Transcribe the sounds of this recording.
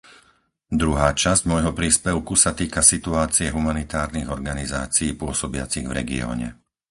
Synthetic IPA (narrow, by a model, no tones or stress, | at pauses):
d̪ɾuɦaːt͡ʃazɟmɔjɦɔpɾiːspɛʊkusat̪iːkasit̪uaːt͡siɛɦumanit̪aːɾniɣɔɾɡaniza̰ːt͡siiːpʊɔsɔbɪa̰t͡siɣvɾɛ̰ɡḭɔ̰ːɲɛ̰